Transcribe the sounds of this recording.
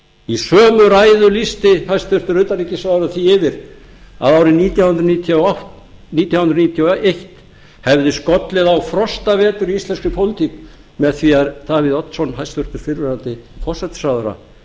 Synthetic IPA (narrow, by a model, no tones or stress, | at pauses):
isœːmʏɾajðʏlist̪ɪhajst̪vʏr̥t̪ʏɾʏt̪aɾiːcɪsaðɾaθiɪvɪɾ̥ | a̰ðawɾɪniːt̪jawhʏnd̪ɾniːt̪ʰjaah | niːt̪jawhnɾnit̪ʰjaejht̪ | hɛvðɪskɔt̪lɪðawfɾɔst̪avɛːt̪ʏɾiist̪lɛnskʏpʰowlɪt̪ʰik | mɛðθviaɾd̪̥aːviðɔt̪n̥sɔnɦajst̪vʏɾ̥t̪ʏɾ̥fɪɾvɛɾant̪ɪfʰɔsɛt̪saðɾa̰